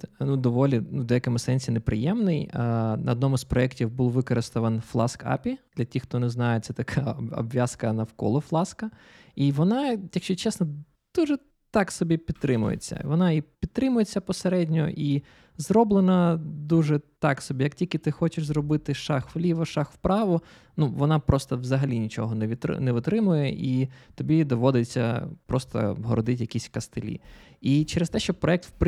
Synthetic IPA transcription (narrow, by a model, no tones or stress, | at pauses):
nud̪ɔʋɔlʲinuwd̪ɔjɐkɪmʊsɛnʲsʲinepɾɪ̰jɛmnɪjnʔɐɔd̪nɔmʊspɾɔɛktʲiwbulˠʋɪkɔɾɪst̪ɔʋɐnflˠɑ̰skɑ̰pʲid̪̥lʲɐtʲixt̪ɔnɛznɑjɛt̪sɛt̪ɐkʰɑɔ̰bʋʲjaskɐnɐwkɔ̰lˠɔflˠɑskɐ | iʋɔnɑjɐkʃt͡ʃɔt͡ʃɛsnɔ | d̪̥uʒɛ | t̪ɑksɔbʲipʲid̪̚t̪ɾɪmʊ̰jḛt͡sʲːɐ̰ʋɔnɑipʲid̪̚t̪ɾɪmʊjet͡sʲːɐpɔseɾɛdʲnʲɔʔi | zɾɔblˠenɐd̪uʒɛt̪ɑksɔbʲijɐk̚tʲilʲkɪt̪ɪxɔt͡ʃɪʃzɾɔbɪt̪ɪʃɑxʋlʲiʋɐʃɑxwpɾɑʋʊ | nuʋɔnɑpɾɔst̪ɔʋzɐɦɐlʲinʲit͡ʃɔ̰ɦɔnɛʋʲit̪nɛʋʊt̪ɾɪmʊjɛʔit̪ɔbʲid̪ɔʋɔd̪et͡sʲːɐ̰pɾɔst̪ɐ̰ɦɔɾɔd̪ɪtʲjɐkʲisʲkɐst̪ɪlʲḭit͡ʃɛɾest̪ɛʃt͡ʃɔpɾɔɛk̚t̪p